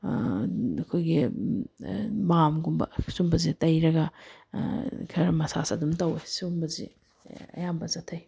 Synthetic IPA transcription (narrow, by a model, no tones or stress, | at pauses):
ɐkʰojɡi | mamɡumbɐ̰sumbɐzitɐjɾɐɡɐ | kʰɐɾmɐsasɐdumtɐwesumbɐzḭ | ɐ̰jambɐzɐtʰɐj